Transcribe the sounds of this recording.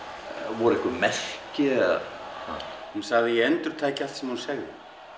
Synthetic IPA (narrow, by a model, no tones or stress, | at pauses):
vɔɾɪhkʏmɛl̥cɪ | aɛnsaɣðɪjɛɛnt̪ʏɾ̥t̪ʰaːcɪal̥t̪sɛmhansɛɣðɪ